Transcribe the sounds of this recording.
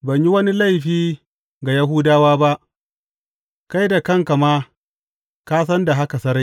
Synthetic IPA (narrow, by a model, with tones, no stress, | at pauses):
bɐ˨ɲji˦wɐ˦ni˦la˦˨jɸiː˦ | ɡa˨ja˦ɦu˦daː˦waː˦ba˦ʔ | ka˦jda˨kɐ˦ŋka˨maː˦ | kaː˦sɐ˦nda˨ɦa˦ka˨sɐ˦ɾa˦